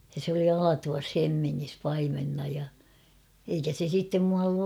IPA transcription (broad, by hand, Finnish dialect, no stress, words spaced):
jɑ se oli ɑlɑtuʋɑs hemːiŋːis pɑimenːɑ jɑ eikæ se sitːem muɑlː